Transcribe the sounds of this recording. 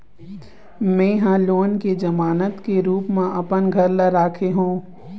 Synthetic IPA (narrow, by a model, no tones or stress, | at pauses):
mɛ̃ːɦãloːnked͡ʒɐmaːnət̪keɾuːpmãʔɐpənɡʱɐɾlaɾaːkʰeɦũː